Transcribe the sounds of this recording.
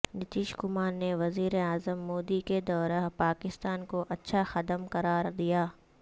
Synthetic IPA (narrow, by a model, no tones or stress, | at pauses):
nɪt̪ɪːʃkʊmaːnneʋɐziːɾeaːzəmːoːd̪iked̪ɔːɾaɦpaːkɪst̪aːnkoʔɐtːʃʰaxɐd̪əmqɐɾaːɾd̪ijaː